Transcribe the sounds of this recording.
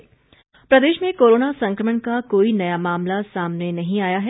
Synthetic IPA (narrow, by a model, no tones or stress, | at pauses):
pɾɐd̪eːʃmẽkoːɾoːnasɐ̃ŋkɾəməɳkakoːinɐjamaːmlasaːmnenɐɦĩaːjaɦɛː